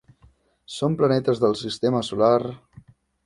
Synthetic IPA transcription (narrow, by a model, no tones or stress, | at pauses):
somplənɛt̪əzðəlˠsist̪eməsular